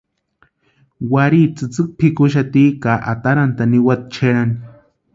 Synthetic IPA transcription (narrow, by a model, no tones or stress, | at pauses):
waɾiːt͡sɨt͡sɨk̚pʰikʊʃ̬at̪iːkaʔat̪aɾant̪aniwat̪̚t͡ʃʰeɾani